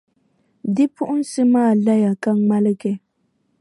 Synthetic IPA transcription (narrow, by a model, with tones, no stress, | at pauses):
dɪ˦pʊ˦ʔʊ˦n̩˦sɨ˦maː˦˨la˦ja˨ka˦ŋ͡ma˦lɨ˦ɡɛ˨